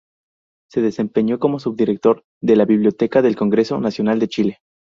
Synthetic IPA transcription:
se̞ðe̞se̞mpe̞ɲo̞ko̞mo̞suβ̚d̪iɾe̞k̚t̪o̞ɾ | ðe̞laβiβljo̞t̪e̞kaðe̞lko̞ŋɡɾe̞so̞̰nasjo̞nald̪e̞t͡ʃile̞

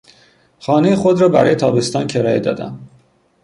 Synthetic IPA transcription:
xɒːne̞jexo̞d̪ɾɒːbæɾɒːje̞t̪ʰɒːbe̞st̪ɒːncʰeɾɒːjed̪ɒ̰ːd̪æ̰m

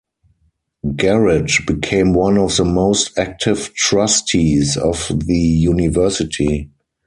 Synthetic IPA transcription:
ɡɛɹɪd͡ʒbikʰẽɪ̃mwãnɔfðəmoʊstæk̚tʰɪvtɹastʰizɔvðəjunɪvɜ˞sɪtʰi

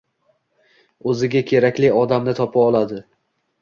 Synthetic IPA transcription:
ɵzɪɡʲakʲʰe̞ɾakʲlɪɒd̪amnɪt̪ʰɒpʰaɒlˠad̪ɪ

